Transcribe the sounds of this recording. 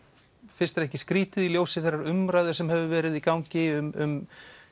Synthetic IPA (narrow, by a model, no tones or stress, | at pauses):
fɪn̥st̪ɾɛhcɪskɾiːt̪ɪðiljoːwsɪθejɾrːaɾʏmɾajðʏɾsɛmɦɛvʏvɛːɾɪðikawɲcɪʏmʏm